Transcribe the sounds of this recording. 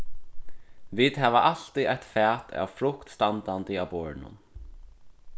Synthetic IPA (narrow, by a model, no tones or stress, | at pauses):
viːt̪ɦæːʋaʔal̥t̪iʔajt̪fɛːt̪ʰa̰ːʋfɾʊkt̪st̪ant̪ant̪ɪaːwpɔːɹnʊ̰n